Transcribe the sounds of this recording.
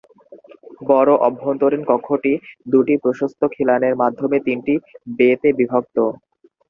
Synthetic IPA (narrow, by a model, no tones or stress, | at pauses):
bɔɾoʔɔbʱːont̪oɾenkɔkʰoʈid̪uʈipɾoʃost̪ʰokʰilaneɾmad̪ʱːomet̪inʈibet̪ebibʱok̚t̪o